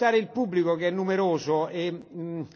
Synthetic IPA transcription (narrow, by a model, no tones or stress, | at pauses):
aːɾeilpubːlikokeɛnːumeɾoːzoe